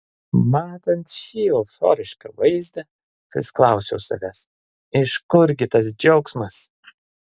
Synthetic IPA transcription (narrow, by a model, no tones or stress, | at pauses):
mɑːt̪ɐnt̪ʃʲiːofɔ̰ɾʲɪʃkɐʋɐɪzʲd̪ʲɐ | pɾʲɪ̰sklˠɐˑʊsʲɛʊsɐ̰ʋʲæːs | ɪʃkʊɾʲɡʲɪt̪ɐs̬d͡ʒʲɛʊksmɐs